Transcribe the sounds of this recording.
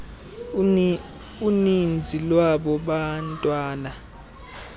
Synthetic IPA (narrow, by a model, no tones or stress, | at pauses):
unind͡zʱilwaɓɔɓantʼwaːna